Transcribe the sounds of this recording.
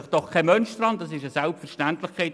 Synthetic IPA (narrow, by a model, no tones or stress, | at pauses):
ɪχd̥ɔχkʰɛmœnʃt̪rɑntdɑsɪʃəsælpfɛɾʃtæntlɪχkʰɛɪt